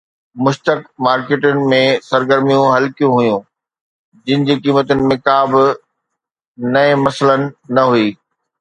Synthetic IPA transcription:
mʊʃt̪əkmaːɾkeːʈənɪ̆mẽsɐɾɡəɾmijũɦɐlkijũɦujũ | d͡ʑɪ̃nɪ̆d͡ʑiːkiːmət̪ənɪ̆mẽkaːbɪ | nɐẽmɐsələnɪ̆nɐɦuiː

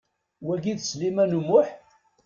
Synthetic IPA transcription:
wæɡiðslimænumʊħ

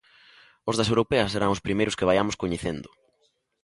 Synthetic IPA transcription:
ozðɐsewɾopɛɐseɾaŋʊspɾimejɾʊskɪβajamʊskoɲeθend̪ʊ

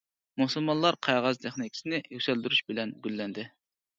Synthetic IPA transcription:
muhsulˠmɑnlˠɑɾqʰɑjʁɑzt̪ʰɪχnikʲʰi̥sɪnɪjysɛld̪yɾyʃbɪlɛnɡʲylːɛnd̪ɪ

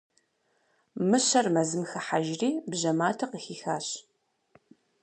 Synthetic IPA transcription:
mɨɕɐrmɐzɨmxɐħaʒriːbʑɐmaːtʰɐqəxiːxaːɕ

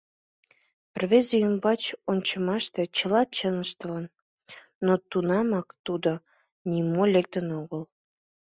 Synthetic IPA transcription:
pərβezjymbɑt͡ɕonʲt͡ɕəmɑʃt̪e̽t͡ɕəlɑt͡ɕənəʃt̪ələnː | ot̪unɑmɑkt̪ud̪o | nʲimolek̚t̪ənoɣəl

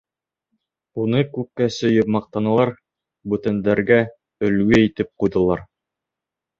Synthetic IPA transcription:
unɤkʉp̚kæsɵ̆jɤpmɑq̚t̪ɑnɑlˠɑɾ | bʉt̪ænd̪æɾɡæ | ɵ̆lɡɵit̪ɘp̚qujðɤ̆lˠɑɾ

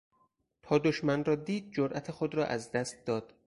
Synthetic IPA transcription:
t̪ʰɒːd̪oʃmænrɒːd̪iːd̪̚d͡ʒoɾʔæt̪ʰexod̪ɾɒ̰ːʔæzd̪æst̪̚d̪ɒːd̪̥

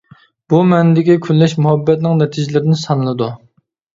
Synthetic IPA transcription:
b̥umɛnɪd̪ɪkʲikʲʰynːɛʃmuɦɛbːɛt̪nɪŋnɛt̪ʰid͡ʒɪlɪɾɪnɪsɑnɨlˠɨd̪u

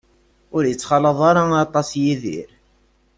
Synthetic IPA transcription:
ʊɾjət͡sːχɑləðˤɑɾˤɑɑt̪ˤɑsjiðḭɾ

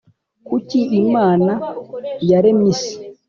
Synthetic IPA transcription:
kuciimaːnajaɾemisi̥

